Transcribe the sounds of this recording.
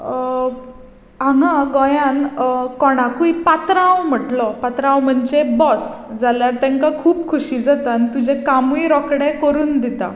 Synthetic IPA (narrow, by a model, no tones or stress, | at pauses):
aŋãɡɔjankɔɽ̃akuipat̪ɾaãwm̤əʈlɔpat̪ɾããwm̤ənd͡ʑebɔs | d͡zaljaɾt̪ɛ̃ŋkakʰuːpkʰuɕiːd͡zat̪ant̪ud͡ʑekamiɾɔkɽɛkəɾuːnd̪it̪a̰